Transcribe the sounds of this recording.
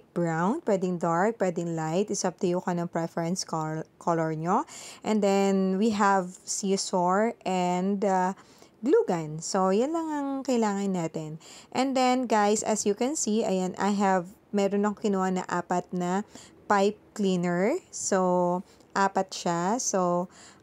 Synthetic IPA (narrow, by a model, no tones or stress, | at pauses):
bɹawnpwɛːd̪ɪŋd̪aɹk̚pwɛːd̪ɪŋlajt̪ɪsɐb̚t̪ɛjukɐnɐŋpɹɛfɛɹɛnskkʰoloɹɲoʔɛ̃nd̪ɛnwiɦɛvsisoɹʔɛnd̪a | ɡluːɡɐnso̞jʊnlɐŋɐŋkɐjlaːŋɐnːaːt̪ɛnʔɛ̃nd̪ɛnɡajsɐ̰sjʊkɛnsiɐ̰janʔɐ̰jɦɛvmɛːɾonːɐkoŋkɪnuːhɐnɐ̰ʔaːpɐt̪̚nɐpajp̚kliːnɛɹso | ʔaːpɐt̪̚ʃaso